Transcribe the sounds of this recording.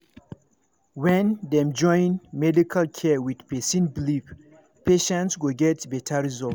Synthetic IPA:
wɛ̃ndɛ̃md͡ʒɔ̃jnmɛdikʰalkʰɛwidpesĩnblip | peʃɛ̃ntsɡoɡɛtbɛtʰaɹizɔl

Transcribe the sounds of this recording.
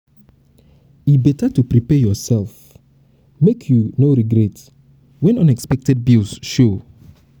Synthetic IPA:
ibɛtatupɹipɛjɔsɛlˠf | mekʰjunoɾiɡɹɛt | wɛ̃nʌ̃nɛkspɛk̚tʰɛd̚bilˠsʃo

